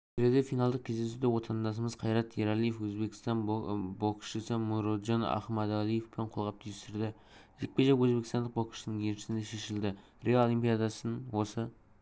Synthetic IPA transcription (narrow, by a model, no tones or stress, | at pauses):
bʰɪɾed̪e̞fijnɑlˠd̪əq̚kʲʰezd̪e̞sud̪ewo̞t̪ʰɑnd̪ɑs̬əməz̥qʰɑjɾɑt̪ʰːeɾalˠijefwɵzbe̞kʲɪst̪ɑnboqʃəsəmuɾod̪ʒɑnɑ̰χmɑd̪alˠijefpɪɴqʰo̞lˠʁɑp̚t̪ʰijɪst̪ɪɾd̪ɪ | ʒek̚ʲpe̞ʒɑkwɵzbe̞kʲɪst̪ɑnd̪əq̚bokʃəsnəŋjʰenʃɪ̥sɪnd̪eʃe̞ʃɪld̪ɪ | reolˠimpʲijad̪ɑsənwo̞sə